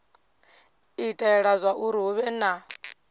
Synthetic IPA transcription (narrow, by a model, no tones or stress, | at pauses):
itʰʼɛɺazʷaʔuɾiuβɛna